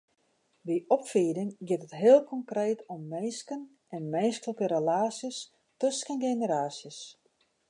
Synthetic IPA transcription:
ʋiʔɔpfiːdɪŋɡɪtətɦɪəlˠkʰɔŋkreːtʰɔmːejskən | ɛnmenskəlkəɾəlaːsəs | tøskənɡenəɾaːsjəs

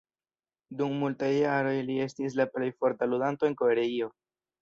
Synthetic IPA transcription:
dummultajːaɾo̞jlie̞stis̬laple̞jfo̞ɾtaludanto̞e̞ŋko̞e̞ɾeio̞

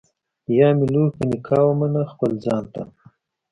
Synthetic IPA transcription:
jɑːmilukənikʰɑːwomanaxpəlzɑːnt̪a̰

